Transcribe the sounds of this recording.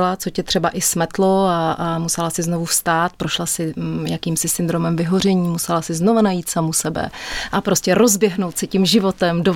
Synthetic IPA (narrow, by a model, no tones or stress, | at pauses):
lat͡so̞cɛt̪r̥ɛbaʔɪsmɛt̪lo̞aʔamusɛlasɪzno̞vufst̪aːt̪̚pɾoʃlasɪjakiːmsɪsɪnd̪ɾo̞mɛmvɪɦo̞r̝ɛɲiːmusɛlasɪzno̞vanajiːt̪samusɛbɛ̰ʔapɾo̞scɛɾo̞zbjɛɦno̞wt̪sɛcimʒɪvo̞t̪ɛmdo